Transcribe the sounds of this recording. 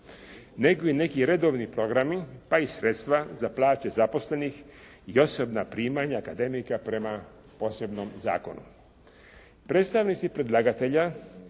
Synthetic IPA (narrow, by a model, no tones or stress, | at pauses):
neɡoine̞kiɾe̞d̪o̞ʋnipɾo̞ɡɾamipaisɾet̪st̪ʋazaplˠaːt͡ɕezapo̞sle̞nix | io̞so̞bnapɾiːmaɲaakad̪e̞mikapɾe̞ma | po̞ːse̞bnomza̰ːko̞̰nṵ | pɾe̞ːt̪st̪aʋnit̪sipɾe̞d̪lˠaɡat̪e̞ʎa